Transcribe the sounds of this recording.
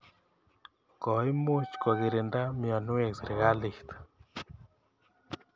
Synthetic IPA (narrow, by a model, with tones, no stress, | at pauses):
ko˨jmu˦t͡ʃko˨ɣi˨˧ɾe˨nd̪a˦mjɔ˨nu˦e˦˨ksɾe˨ɣa˦li˨ht̪